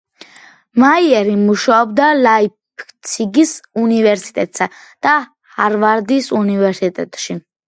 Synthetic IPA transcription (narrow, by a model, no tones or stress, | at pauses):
maiɛɾimuʃaɔbd̪alaipʰ | t̪sʰiɡisunivɛɾsi̥t̪ʼɛt̪ʼsad̪̥a | haɾvaɾd̪isunivɛɾsit̪ʼɛ̰t̪ʼʃi